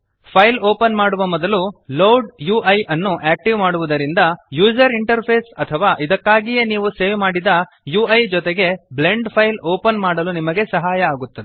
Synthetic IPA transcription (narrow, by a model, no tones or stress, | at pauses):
pʰɐjloːpɐnmaːɽuʋɐmɔd̪ɐluloɖjuːʔɐjʔɐnːuʔæːk̚ʈiʋmaːɽuʋud̪ɐɾind̪ɐjuːd͡ʒɐɾiɳʈɐɾpʰe̞ːsɐt̪ʰɐʋaːʔid̪ɐkːaːɡijeniːʋuse̞ːʋmaːɽid̪ɐ | juːɐjd͡ʒɔt̪eɡe̞ble̞ɳɖpʰɐjloːpɐnmaːɽɐlunimɐɡe̞sɐɦaːjɐːɡut̪ːɐd̪e